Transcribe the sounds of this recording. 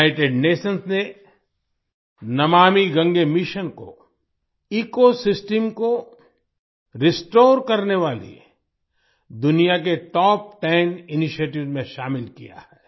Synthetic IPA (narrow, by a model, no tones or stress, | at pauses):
aɪʈeːɖneːʃənsne | nɐmaːmiɡɐ̃ŋɡemɪʃənko̰ | iːkosɪsʈəmko | ɾɪsʈoːɾkɐɾneʋaːlḭ | d̪ʊnijak̬eʈɔːp̚ʈɛːnɪniʃieːʈ̬ɪʋmẽʃaːmɪlkija̰hɛː